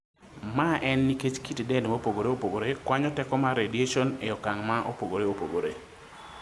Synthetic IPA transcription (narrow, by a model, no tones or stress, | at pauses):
maʔɛnːiket͡ʃkitdɛndmopoɡoɾeopoɡoɾekwaɲɔtɛkɔmaɾedieʃɔneɔkaŋmaʔopoɡoɾeopo̰ɡoɾḛ